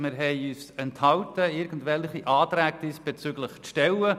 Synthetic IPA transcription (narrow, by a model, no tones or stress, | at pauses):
mɪɾɦɛɪyːsɛnthɑwtəɪɾɡn̩dvɛlχiʔɑːtɾæːɡ̚d̪isb̥et͡syɡləχʃtɛlə